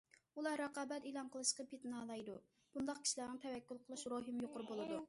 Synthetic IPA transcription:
ulˠɑɾɑqɑːbɛt̪elˠɑnqəlˠɨʃqɑpʰet̪nɑːlˠɑjd̪u | b̥und̪ɑq̚kʲi̥ʃilænɪŋt̪ʰɛwɛkʲːylˠqʰəlˠɨʃɾoɦɨmjoqʊɾbolˠɨd̪u

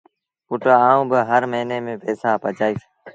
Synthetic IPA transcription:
pʊʈaaːũːbəɦəɾməɦineːmẽːpɛːsaːpət͡ʃaːiːs

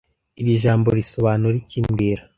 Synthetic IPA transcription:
iɾiʒaːmbo̞ɾiso̞βaːnuɾiciːmɡiːɾa

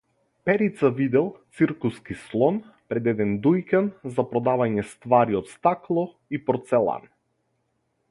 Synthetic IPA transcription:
pɛɾit̪savid̪ɛlˠt̪siɾkuskislˠɔn | pɾɛd̪ɛd̪ɛnd̪ujkanzapɾɔd̪avaɲɛst̪vaɾiɔt̪st̪aklˠɔ | ipɔɾt̪sɛlˠa̰n

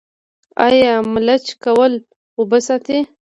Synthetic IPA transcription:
ajɑmlat͡ʃkawəl | obəsat̪e

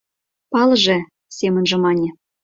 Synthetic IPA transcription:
pɑlɤ̆ʒĕ | semə̆nʒĕmɑnʲĕ

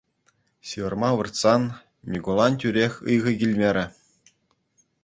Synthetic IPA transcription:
ɕiʋɤ̆rmɑʋɯ̆rt̪sɑn | mʲiɡulˠɑntʲyɾʲexʲɯjʁɤ̆ɡʲilʲmʲeɾʲɘ̆

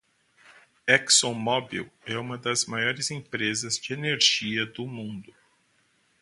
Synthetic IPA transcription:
ɛksõmɔbḭwɛũmɐd̪ɐzmajɔɾɪzẽpɾezɐzd͡ʒɪeneɾʒiɐd̪ʊmũnd̪ʊ

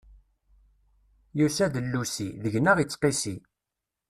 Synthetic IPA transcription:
jusæðəlːusiðəʝnəʁit͡sːqisi

